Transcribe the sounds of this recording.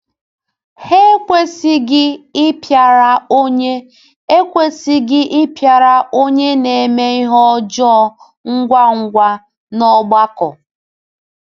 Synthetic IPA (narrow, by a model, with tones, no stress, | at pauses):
he˦kʷe˦sɪ˦ɡɪ˦ɪ˦pja˨ɾa˨o˦ɲe˦ | e˦kʷe˦sɪ˦ɡɪ˦ʔɪ˦pja˨ɾa˨ʔo˦ɲe˦ne˨e˨me˦i˦ɦɔ˦d͡ʒɔ˦ | ŋ̩˦ɡʷa˦ŋ̩˦ɡʷa˦ | nɔ˦ɡ͡ba˦kɔ˨